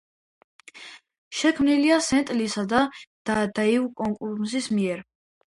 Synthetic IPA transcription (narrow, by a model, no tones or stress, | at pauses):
ʃɛkʰmniliasɛnt̪ʼlisad̪ad̪̥ad̪aiukʼɔŋkʼuɾsismiɛɾ